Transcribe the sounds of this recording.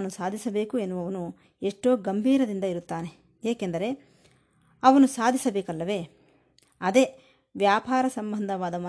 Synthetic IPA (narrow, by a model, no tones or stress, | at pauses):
ɐnusaːd̪ʱisɐbe̞ːkue̞nːuʋɐʋɐnu | eʂʈo̞ːɡɐmbʱiːɾɐd̪ind̪ɐiɾut̪ːaːne̞ | eːkend̪ɐɾe̞ | ɐʋɐnusaːd̪ʱisɐbeːkɐlːɐʋe̞ː | ɐd̪e̞ː | ʋjaːpaːɾɐsɐmbɐnd̪ʱɐʋaːd̪ɐmɐ